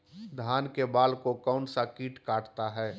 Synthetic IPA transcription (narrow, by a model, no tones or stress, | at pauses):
d̪ʱaːnkebaːlkokaʊnsakiːʈkaːʈt̪aɦɛː